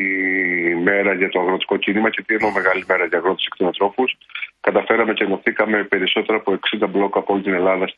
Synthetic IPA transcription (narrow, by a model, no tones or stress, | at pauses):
i | me̞ɾɐʝɐt̪o̞ɐɣɾo̞t̪i̥ko̞cinimɐcet̪ienome̞ɣɐlime̞ɾɐʝɐɣɾo̞t̪i̥si̥kt̪onɐnt̪ɾo̞fuskɐt̪ɐfe̞ɾɐme̞ceno̞θikɐme̞pe̞ɾiso̞t̪e̞ɾɐːpo̞e̞ksind̪ɐblo̞kɐːpoo̞lit̪ine̞lɐðɐs